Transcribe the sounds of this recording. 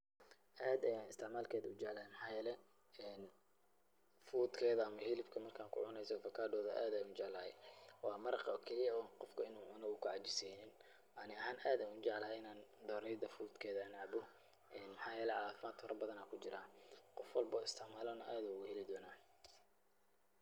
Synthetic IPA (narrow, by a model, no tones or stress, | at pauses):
ʔaːd̪ɐjaːnɪst̪ʰɪʕmaːlkʰɛːðɐʊd͡ʒɛʕlɐhɛjmɑħaɑːjɛːlɛ | ɛːn | fuːd̪kʰɛːðɐɐmɐhɪlɪfkʰɐmɐrkʰaːŋkʰʊ̰ʕʊnɛjsɔfɐkʰaːd̪ɔːðɐʔaːd̪ɐjʊnt͡ʃɛʕlɐhɛ̰jwɑːmɐɾɑqɐɔkʰɛlɪjɐɔnqɔfkʰɐɪnuːʕʊnɐɣʊkʰʊʕɑd͡ʒɪsiːnɪn | ʔɐnɪɐɦaːnʔaːd̪aːʊt͡ʃɛʕlɐɦɛɪnaːnd̪ɔːɾɛjd̪ɐfuːd̪kʰɛːðɐnʕaʕbʊ | ʔɛːnmħɑːjɛːlɛʕɑaːfɪmaːd̪̥kʰɔɾɐbɐðɐnaːkʰʊd͡ʒɪɾaːqɔfwɐlbɔːɪst̪ʰɪʕmaːlɔːnɐʔaːd̪ɐʊɣʊhɛlɪd̪ɔːnaː